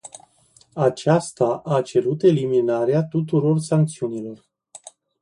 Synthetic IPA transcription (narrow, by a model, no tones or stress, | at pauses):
at͡ʃast̪aʔat͡ʃe̞ɾut̪e̞liminaɾeat̪ut̪̬uɾo̞rsaŋk̚t̪siunilo̞r